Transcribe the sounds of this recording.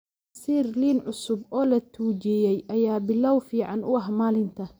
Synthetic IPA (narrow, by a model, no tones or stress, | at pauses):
siːrliːnʕʊsʊbɔːlɐt̪ʰuːt͡ʃɪjɛjʔɐjaːbɪlɐwfiːʕɑnʊ̰ɐɦmaːlɪnt̪ʰɐ